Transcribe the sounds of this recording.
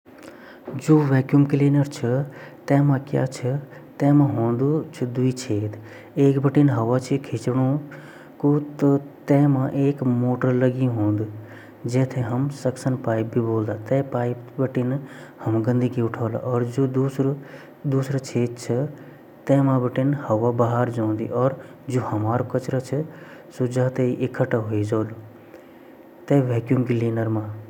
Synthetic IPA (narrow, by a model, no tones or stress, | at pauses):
d͡ʒoːʋɛːkjumkleːnəɾt͡ʃʰɐt̪ɛ̃ːmãkja̰ːt͡ʃʰət̪ẽːmãɦõːnd̪ut͡ʃʰɐd̪uit͡ʃʰeːt̪ | eːkbɐʈinɦɐʋaːt͡ʃʰikʰit͡ʃɽ̃u | kut̪ət̪ẽːmãʔeːkmoːʈəɾlɐɡĩɦõːnd̪ | d͡ʒɛːt̪ʰeɦɐmsɐksənpaːjb̚ːiboːld̪aːt̪ɛ̃ːpaːjbɐʈinhɐmɡə̃nd̪ʱikʰeʊʈʰaːla̰ʔɔːɾd͡ʒouɾ | d̪uːsɾət͡ʃʰeːt͡ʃʰɐ | t̪ẽːmãbəʈinhɐʋabaɦaɾd͡ʒãːnd̪ḭʔɔːɾ | d͡ʒohɐmaːɾokɐt͡ʃɾət͡ʃʰɐsʊd͡ʒʱaːt̪eiʔɪkʰəʈaɦoːid͡ʒoːlu | t̪ẽːʋɛːkjumkiliːnəɾmãː